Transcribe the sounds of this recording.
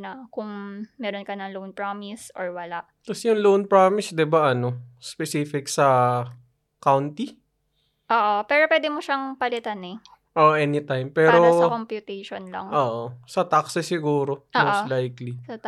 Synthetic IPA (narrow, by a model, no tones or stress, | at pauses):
nɐkʊŋmɛːɾonkɐnɐŋlownpɹaːmɪsʔo̰ɹwɐlaʔk̪ɐsjʊŋlownpɹaːmɪsd̪ɪbaʔɐno̞spɛsiːfɪksɐ | kawnt̪i | ʔoːʔopɛːɾopwɛːd̪ɪmoʃaŋpɐlɪt̪anɛ | ʔoʔʔɛnit̪ajmpɛːɾosɐkompjʊt̪ɛjʃonlɐ̰ŋʔoːʔosɐt̪aksɪsɪɡuːɾo̞ʔmːoʔslajklisɐ